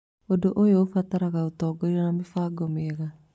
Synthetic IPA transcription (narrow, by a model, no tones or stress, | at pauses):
odoʔojoːfataɾaɣaotɔːɡoɾiɾanamefaːɡɔmeɛɣa